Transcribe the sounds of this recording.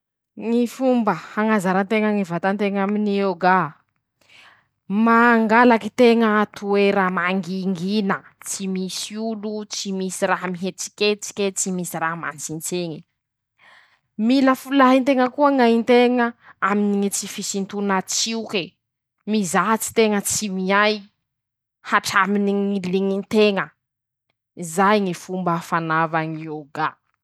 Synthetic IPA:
ŋifumbəhaŋazaɾənt̪eŋaŋivat̪ant̪eŋaminioɡa | maŋɡalakit̪eŋət̪ueɾamaŋɡiŋɡinə | t͡simisiulut͡simisiɾaɦəmiɦet͡si̥kʲet͡si̥kʲet͡simisiraɦma̰nsint͡seŋi | miləfulaɦint̪eŋəkuəŋaɦint̪eŋəaminiŋit͡sifisint̪unat͡siuke | mizaɦt͡si̥t̪eŋət͡simiaj | haʈ͡ʂaminiŋiliŋint̪eŋə | izajŋifumbaːfanavaŋioɡa

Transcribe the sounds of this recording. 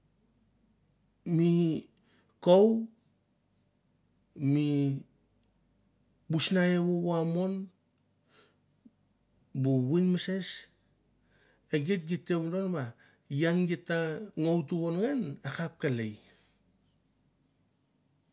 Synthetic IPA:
mi | kow | mi | busnajeβowamo̞n | buwinmese̞s | eɡet̚ɡitːeβɾo̞nβa | jaŋɡetaŋowtuβonŋenakap̚kalej

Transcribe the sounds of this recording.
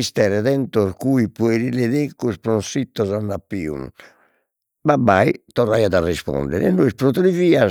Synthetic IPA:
ist̪ɛɾɛðɛnt̪ɔɾkuipɔɛɾilɛðekːuspɾɔɔsit̪ːɔzanːapːḭːṵn | babait̪ɔrːajaðarispɔ̰nd̪ɛ̰ɾɛɛnːɔispɾɔt̪ɾiviːa

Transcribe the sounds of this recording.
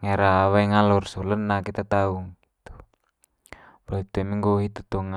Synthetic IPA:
ŋeɾaːwaiŋalɔrsulənːakit̪at̪auŋɡit̪u̥ | bait̪uemiŋɡoɦit̪u̥t̪oŋa

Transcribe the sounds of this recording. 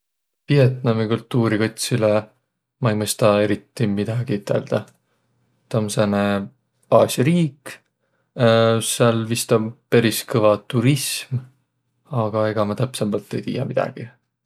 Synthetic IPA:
vie̞t̪nɑmikult̪ˑːuːɾikot̪ʲsile | mɑijmɤst̪ɑe̞ɾit̪ːimid̪̥ɑɡ̥iit̪ʰːˑḛld̪̥ɑ | t̪omsene | ɑːsʲjɑɾiːk | seɑlvist̪ɑbpeɾiskɤvɑt̪uɾism | ɑɡ̥ɑe̞ɡ̥ɑmɑt̪æpsemːɑlt̪ːˑe̞jt̪ḭːjɑmid̪̥ɑ̰ɡ̥i

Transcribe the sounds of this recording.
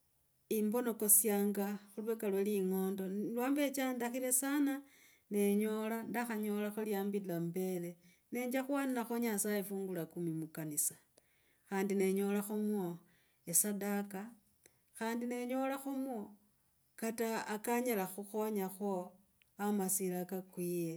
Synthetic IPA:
imbo̞no̞ko̞sjaːŋɡaxulwe̞kalweliŋo̞ːndo̞lwaːmbe̞t͡ʃandaxile̞sana | ne̞ɲo̞landaxaɲo̞laxoljaːmbilambe̞le̞ | ne̞ːɲd͡ʒaxwanilaxoɲasajefuːŋɡulakumimukanisḁ | xaːndine̞ɲo̞laxumwo̞ | esadaka | xaːndine̞ɲo̞laxumwo̞ | kataːkaɲalaxuxo̞ɲaxo̞ | amasilakakwiːje

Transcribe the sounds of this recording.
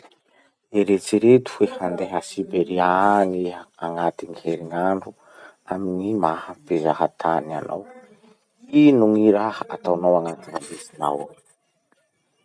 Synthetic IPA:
eɾet͡siɾet̪u̥ehand̪eɦəsibeɾianiaŋat̪iŋiheɾiŋaɳɖ͡ʐu | aminimahapezahat̪ʰania̰nʔa̰w | inuŋiɾahəa̰t̪awnawaŋat̪inambesina̰w

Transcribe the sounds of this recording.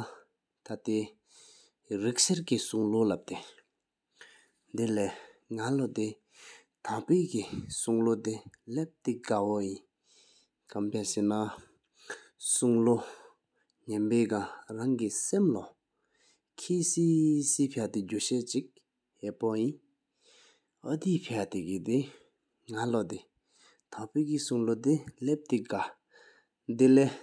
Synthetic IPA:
t̪ʰat̪e | rik̚seɹkisuŋlolap̚t̪e | nd̪ilɛːŋalot̪e | t̪ʰapeːkisuŋlot̪elep̚t̪iɡawɔjin | kampʰaɕena | suŋlo | ɲɛnpeːkaŋraŋkisemlɔ | kʰeːsiːsiːpʰet̪id͡ʑuɕeːt͡ɕik̚ | hepɔjin | at̪iːpʰeat̪ekit̪i | ŋalɔt̪i | t̪ʰapøːkisuŋlot̪ilep̚t̪iɡa | d̪ileː

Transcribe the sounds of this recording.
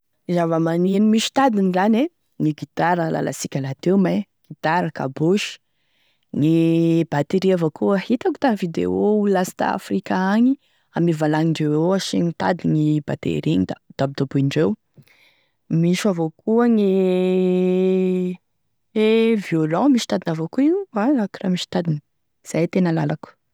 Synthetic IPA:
izavəmaninimiʃi̥t̪ad̪inizane | ŋiɡit̪aɾəla̰la̰sikʲalat̪ewmajɡ̥it̪aɾaka̰boʃi̥ | ŋib̥at̪eɾiavokuəhit̪aku̥t̪aŋvid̪ḛoulasi̥t̪a̰a̰frikaaŋi | amivalaŋiɳɖ͡ʐewoaʃiŋit̪a̰d̪iŋibat̪ḛɾiŋid̪ad̪̥abid̪̥obuiɳɖ͡ʐew | miʃavokuəŋi | evjolamiʃi̥t̪ad̪inavokuialakramiʃi̥t̪ad̪in | z̥ajt̪enəlalaku̥

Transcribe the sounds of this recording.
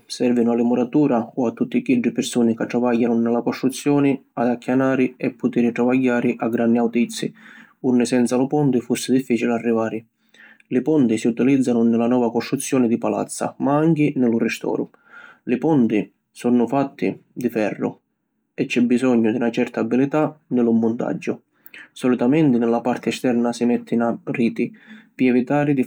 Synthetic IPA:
sɛrvinʊalɪmɔɾat̪uːɾaɔat̪ːut̪ːikiɖːɪpɪɾsuːnɪkat̪ːɾavajːanʊnɪlakɔst̪ɾut̪sːjɔːnɪad̪akːjanaːɾɪɛpːʊt̪iɾɪʈ̪ɾavajːaːɾɪʔaɡːɾanːiawt̪it̪sːḭ | unːɪsɛnt̪salʊpɔnt̪ɪfusːɪd̪ifːiːt͡ʃilarːivaːɾɪ | lɪpɔnt̪isiut̪ilid̪zːanʊnɪlanɔːvakɔst̪ɾut̪sːjɔːnɪd̪ipala̰t̪sːa̰maaŋkɪnɪlʊrɪst̪ɔ̰ːɾʊ | lɪpɔnt̪i | sɔnːʊfat̪ːḭd̪ifɛrːʊ̰ | ɛt͡ʃːɛbːizɔɲːʊd̪iunat͡ʃɛrt̪aːbːilit̪anɪlʊmːʊnt̪a̰d͡ʒːʊ | sɔlit̪amɛnt̪ɪnɪlapart̪ɪɛst̪ɛrnasimɛt̪ʰːɪnariːt̪ipiɛvit̪aːɾid̪i

